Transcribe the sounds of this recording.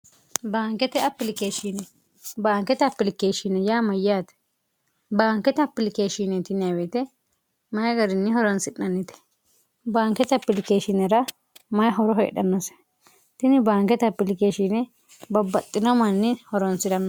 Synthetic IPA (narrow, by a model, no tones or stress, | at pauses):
baːŋkɛt̪ɛɐpːɪlɪkeːʃɪnɛ | baːŋkːɛt̪ɐpːɪlɪkeːʃɪnɛjaːmɐjaːt̪ɛ̥ | baːŋkɛt̪ɛɐpːɪlɪkeːʃinɛt̪ɪnɪɐwɛt̪ɛ | mɐjɡɐɾɪnːɪhɔɾɔnsɪᶑɐnːɪt̪ɛ̥ | baːŋkːɛt̪ɐpːɪlɪkeːʃɪnɛɾɐ | mɐjɦɔɾɔɦḛːɗɐnːɔsɛ̥ | t̪ɪnɪbaːŋkɛt̪ɐpːɪlɪkeːʃɪnɛ | bɐbːɐt̪ʼːɪnɔmɐnːɪhɔɾɔnsɪd̪ɐnːɐ